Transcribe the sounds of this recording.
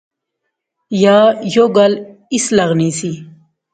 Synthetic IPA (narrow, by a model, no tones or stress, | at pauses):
jaːjoɡɐlislɐɣnisi